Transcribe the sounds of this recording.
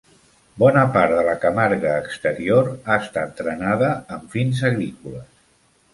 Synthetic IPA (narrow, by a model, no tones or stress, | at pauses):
bɔnəpaɾt̪d̪ələkəmaɾɣəːkst̪əɾioɾaəst̪at̪ːɾənaðəːɱfinzəɣɾikuləs